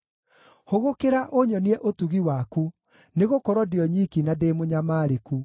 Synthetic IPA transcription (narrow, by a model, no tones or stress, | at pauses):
hoɣokeɾaʔoɲɔniɛʔotuɣiwaku | neɣokɔɾɔdeɔɲikinadeːmoɲamaːɾeku